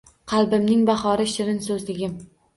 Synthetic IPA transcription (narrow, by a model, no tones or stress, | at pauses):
qʰɑlˠbɪmnɪŋbɑχɒɾɪʃɪɾɪnsɵzlɪɡʲɪm